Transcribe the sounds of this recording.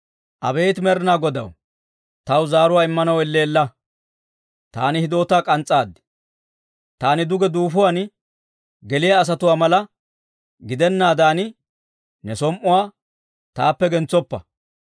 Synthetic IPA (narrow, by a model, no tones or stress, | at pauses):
ʔɐ̰be̞ːt̪mɛɾɪnaːɡɔd̪ɐ̰w | t̪ɐwzaːɾʊwaːɪmːɐnɐwɛlːeːlːɐ | t̪a̰ːnɪhɪd̪o̞ːt̪aːkʼɐnt͡sʼːaːd̪ːɪ̥ | t̪aːnɪd̪ʊɡɛd̪uːfʊwan | ɡɛlɪjɐːs̬ɐt̪ʊwaːmɐlɐ | ɡɪd̪ɛnːaːd̪aːnɪ | nɛsɔmʔʊwaː | t̪aːpːɛɡɛnt͡sːɔpːɐ̰